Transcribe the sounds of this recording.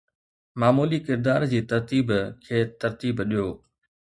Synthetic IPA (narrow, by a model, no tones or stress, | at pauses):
maːmuːlikɪɾd̪aːɾd͡ʑiːt̪ɐɾt̪iːbkʰeːt̪ɐɾt̪iːbɗijoː